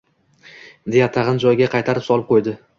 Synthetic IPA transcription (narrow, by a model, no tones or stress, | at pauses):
d̪e̞jat̪ʰɑʁɨnd͡ʒɒjɡʲaqʰɑjt̪ʰaɾɪpsɒlˠɪp̚qʰojd̪ɪ